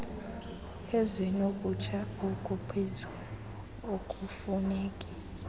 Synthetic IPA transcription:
ɛzinok̬ʼut͡ʃʰaokʼupʰizu | okʼufuneːkʼi

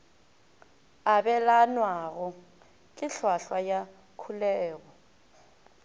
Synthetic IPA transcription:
abɛlanwaɣɔ | kʼɪɬwaɬwaja | kʰulɛːɣɔ

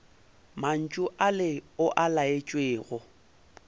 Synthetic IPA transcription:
man̩t͡ʃʼʊʔalɪʊʔalaet͡ʃʼweːɣʊ

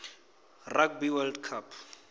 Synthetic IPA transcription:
rak̚biwɛldkʰapʰ

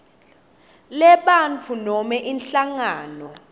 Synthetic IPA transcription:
lɛɓant͡fʰunɔmɛʔinɬaŋaːnɔ

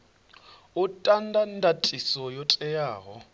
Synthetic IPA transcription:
ʊtʼandʱandʱatʼisɔjɔtʼɛjaːɣɔ̰

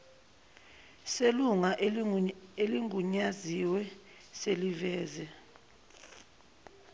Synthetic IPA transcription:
seluŋaʔ | eliŋʱuɲaziwɛ | selivɛːzɛ

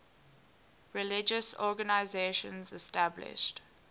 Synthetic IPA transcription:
ɹɛlɪd͡ʒəsɔɡənaɪzeʃə̰̃nzɛstablɪ̰ʃt

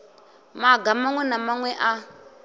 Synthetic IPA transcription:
maɡamaŋwɛnamaŋwɛʔa

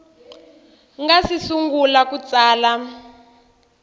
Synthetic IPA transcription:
ŋɡasisuŋɡulakut͡saːla

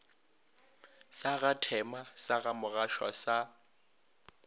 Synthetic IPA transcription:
saɣatʰɛmasaɣamʊɣaʃwa̰sa

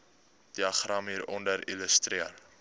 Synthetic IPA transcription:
d̥iɐχrɑmiːɾɔndəɾiləst̪riər

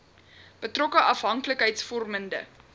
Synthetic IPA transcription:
b̥ətrɔkəʔɐfɦɐŋkləkɦəjtsfɔrməndə̰

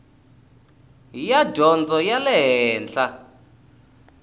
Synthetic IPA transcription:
jadʱɔnd͡zʱɔjalɛɦɛːnt͡ɬa

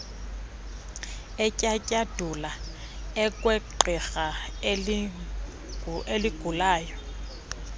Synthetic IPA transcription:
ɛcʼacʼad̥ʱula | ɛkʼwɛǃɛɣa | elɪɡ̥ʱulaːjɔ

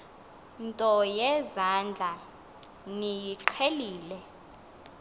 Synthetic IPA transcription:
ntʼɔjɛzand͡ɮʱa | nijiǃʰeliːlɛ

